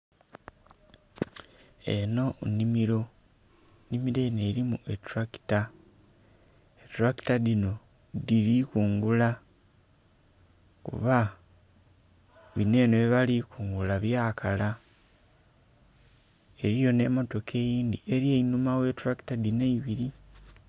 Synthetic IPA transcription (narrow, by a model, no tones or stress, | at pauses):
e̞̰no̞nimiɾo̞ | nimiɾe̞ne̞ɾimuetuɾaki̥ta | etuɾaki̥tadino̞ | diɾikuːŋɡula | kṵβa | βine̞ːnoβiβalikuːŋɡulaβjaːkʰala | e̞ɾijo̞ne̞mo̞to̞kʰe̞ːjiːnd̪iʔe̞ɾjeinumawe̞tuɾaki̥tadineiβiɾi